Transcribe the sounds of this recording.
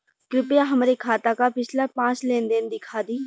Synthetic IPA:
kɾɪpjaɦɐmɾekʰaːt̪akapɪt͡ʃʰlapãːt͡ʃlẽːnd̪eːnd̪ɪkʰaːd̪iː

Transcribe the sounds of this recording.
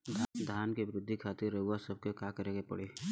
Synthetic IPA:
d̪ʱd̪ʱaːnkeʋɪɾɪd̪ʱːikʰaːt̪ɪɾːɐɦuasɐb̚kekaːkəɾẽːɡepɐ̰ɽeː

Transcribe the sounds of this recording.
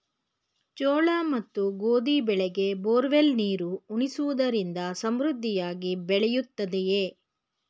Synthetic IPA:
t͡ʃoːɭaːmɐt̪ːuɡoːd̪ibɛɭɛɡe̞boːɾʋelniːɾuuɳisuʋud̪ɐɾind̪ɐsɐmɾud̪ʱːijaːɡibɛɭɛjut̪ːɐd̪ejeː

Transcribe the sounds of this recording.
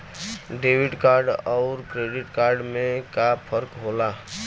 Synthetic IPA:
ɖeːwɪʈkaːɾɖɔːɾkɾeːɖɪʈkaːɾɖmẽkapʰəɾkɦola

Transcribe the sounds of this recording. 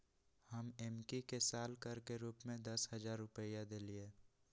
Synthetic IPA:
həmɛːmkikesaːlkəɾkeɾuːpmẽd̪ɐsɦəzaːɾːʊpəjad̪eːlieː

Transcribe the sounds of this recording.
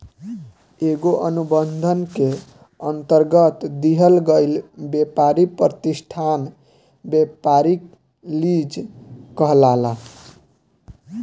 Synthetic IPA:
eɡoʔənubənd̪ʱənke | ənt̪əɾɡət̪d̪iɦəlɡəɪlbjepaɾipɾət̪isʈʰan | bjepaɾik | lid͡ʒkəɦlala

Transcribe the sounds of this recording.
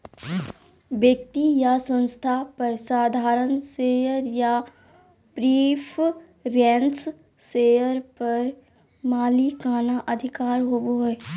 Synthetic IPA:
ʋjək̚t̪ijasə̃nst̪ʰapəɾsaːd̪ʱaːɾənseːjəɾja | pɾiːpʰ | ɾẽns | seːjəɾpɐɾ | maːlikaːnaʔəd̪ʱɪkaːɾɦoboɦo

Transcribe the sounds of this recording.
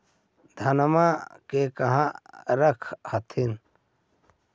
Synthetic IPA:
d̪ʱənmakekəɦãɾəkʰhət̪ʰin

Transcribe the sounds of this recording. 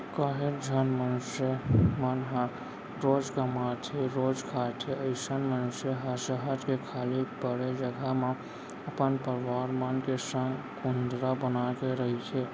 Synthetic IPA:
kaɦeɾd͡ʒʱənmənʊsəmənɦa | ɾod͡ʒkəmat̪ʰeɾod͡ʒkʰat̪ʰeəɪsənmənʊsjəɦəsəɦəd͡ʒkekʰalibəɽed͡ʒəɡʱamã | əpənpəɾʋaɾmənkesə̃ŋɡkund̪ɾabənakeɾəɦit͡ʃʰɛ

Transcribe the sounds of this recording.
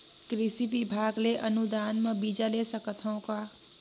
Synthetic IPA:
kɾisibibʱaɡleʔənud̪anməbid͡ʒalesəkət̪ʰɦəʊ̃ka

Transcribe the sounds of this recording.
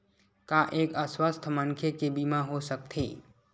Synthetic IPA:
kaʔeːkəswəst̪ʰməŋkʰekebimãɦosək̚t̪ʰḛː

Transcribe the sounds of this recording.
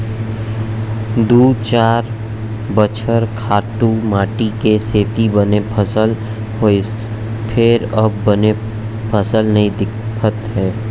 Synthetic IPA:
d̪uːt͡ʃaːɾ | bət͡ʃʰəɾkʰaːʈumaːʈikeseːt̪ibənepʰəsəl | o | pʰɪɾɐbəne | pʰəsəlnɐɦĩd̪ɪkʰːət̪ɦɛː

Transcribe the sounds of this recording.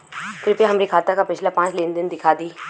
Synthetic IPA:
t̪ɾɪpeɦɐmɾikʰaːt̪akapɪt͡ʃʰlapãːt͡ʃlẽːnd̪ɪnd̪ɪkʰaːd̪iː

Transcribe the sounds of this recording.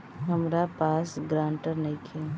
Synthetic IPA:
ɦɐmɾapaːsɡɾãːɳʈəɾnɐĩkʰe

